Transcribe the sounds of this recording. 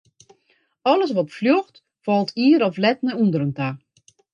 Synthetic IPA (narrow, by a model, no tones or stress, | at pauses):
ɔləs̬ʋɔtfljoxt | fɔlˠtʰiːəɾɔflɛtnəundəɾənta